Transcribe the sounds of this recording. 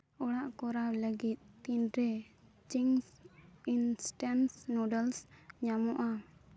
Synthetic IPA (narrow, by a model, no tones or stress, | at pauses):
ɔɽaʔkɔɾawləɡit̪̚ˀt̪inɾɛ | t͡ʃiŋsinsʈansnɔɖəlsɲamɔʔa